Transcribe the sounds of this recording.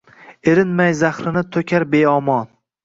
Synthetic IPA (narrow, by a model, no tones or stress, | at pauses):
eɾɪnmajzaχɾɪnɪt̪ʰokʲʰaɾbeɒmɒn